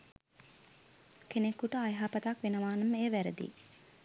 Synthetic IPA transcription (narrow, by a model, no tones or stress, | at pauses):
kenekːuʈəajɦapət̪akʋenəʋaːnəməeːʋæɾəd̪ḭ